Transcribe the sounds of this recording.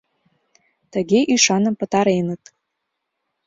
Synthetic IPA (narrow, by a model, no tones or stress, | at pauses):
t̪əɣeʔiʃɑnə̆mpə̆t̪ɑɾenət̪